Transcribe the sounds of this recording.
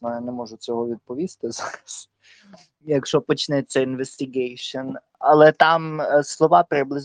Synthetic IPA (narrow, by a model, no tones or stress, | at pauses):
nɔjanɛmɔʒut͡s̪ɔɦɔvʲɪt̪̚pɔʋʲist̪ɛzaːɾas | jakʃɔpɔt͡ʃnɛt͡s̪ʲːɛɪnʋɛst̪ɪɡɛjʃɔn | ʔalˠɛt̪amslˠɔʋapɾɪblɪz